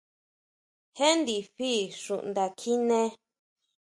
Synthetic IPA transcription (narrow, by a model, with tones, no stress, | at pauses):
he˦nd̪i˨ɸi˦˨ʂṵ˨ʔnd̪a˨kʰi˦nẽ˧˦